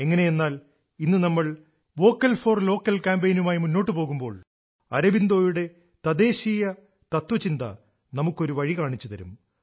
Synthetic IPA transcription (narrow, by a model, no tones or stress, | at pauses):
e̞ŋːɐne̞jenːaːl | inːɨnɐmːɐɭ | ʋo̞ːkːɐlfo̞ːrlo̞ːkːɐlkaːmbejnumaːjimunːo̞ːʈ̬ːɨpo̞ːɣumbo̞ːɭ | ɐ̰ɾɐbind̪o̞ːjuɽe̞ | t̪ɐd̪e̞ːɕiːjɐ | t̪ɐt̪ʋɐt͡ɕind̪ɐ̰ | nɐmukːo̞ɾuʋɐɻikaːɳit͡ɕːut̪ɐɾṵm